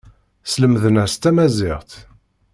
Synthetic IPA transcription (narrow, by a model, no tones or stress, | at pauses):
sləmðənæɾst̪ːæmæzɪʁt̪